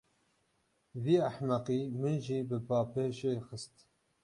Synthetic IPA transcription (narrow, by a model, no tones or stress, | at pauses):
viːaħmæqiːmɨnʒiːbɨpɑːpeːʃexəst̪